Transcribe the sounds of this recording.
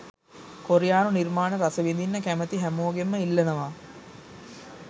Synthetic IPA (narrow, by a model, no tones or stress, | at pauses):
koɾijaːnunirmaːnəɾasəʋind̪inːəkæmət̪iɦæmoːɡemːəilːɐnəʋa